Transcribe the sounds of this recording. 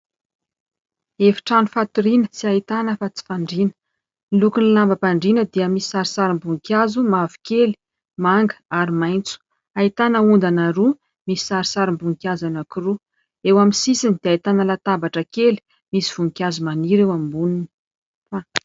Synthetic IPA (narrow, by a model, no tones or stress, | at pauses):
efi̥ʈ͡ʂanufat̪uɾinət͡siait̪anəfat͡si̥faɳɖ͡ʐinə̥ | ilukunilambəpaɳɖ͡ʐinəd̪iəmisi̥saɾisaɾimbuŋkʲjazumavu̥keli̥ | maŋɡəaɾimajnt͡su̥ | ait̪anəund̪anaɾu | misi̥saɾisaɾimbuŋkʲazanakiɾu | ewaminsisinid̪̥eait̪anəlat̪abaʈ͡ʂəkeli̥ | misiv̥uŋkʲjazumaniɾewamimbunini̥ | fa